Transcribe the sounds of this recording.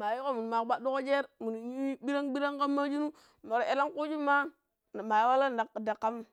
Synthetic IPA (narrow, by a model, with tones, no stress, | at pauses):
ma˨jo˦ko˦mu˨n˨ma˨kba˦do˦ko˦d͡ʒe˦ɾmu˨n˨i˦bi˦ɾa˦ŋbi˦ɾa˦ŋka˦mːa˦d͡ʒi˦nu˦ | mo˨ɾe˦la˦ŋku˦d͡ʒi˦ma˦˨ | ma˨jwa˦la˦n˨da˨kda˨kːa˦m˦